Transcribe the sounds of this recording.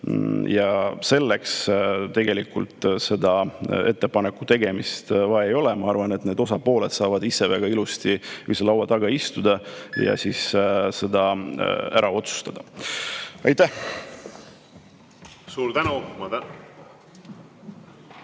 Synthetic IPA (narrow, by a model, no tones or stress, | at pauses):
jɑse̞lːekst̪e̞ɡ̥e̞likːṵlt̪ˑse̞d̪ɑe̞t̪ːe̞pɑnekːut̪e̞ɡ̥e̞mist̪vɑejo̞lɛmɑɑrvɑnet̪ne̞d̪o̞sɑpo̞ːlet̪sɑːvɑd̪̥isːe̞væɡ̥ɑilust̪iyselɑwɑt̪ɑɡɑist̪ud̪̥ɑjɑ̰sisse̞d̪ɑæɾʔɑo̞t̪su̥st̪ɑd̪̥ɑ | ɑjt̪ːˑæh | suːɾt̪ænumɑt̪